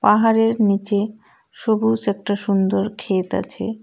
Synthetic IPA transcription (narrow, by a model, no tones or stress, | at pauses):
paɦaɾeɾnit͡ɕe | ʃobut͡ɕɛk̚ʈaʃund̪oɾkʰet̪a̰t͡ɕʰḛ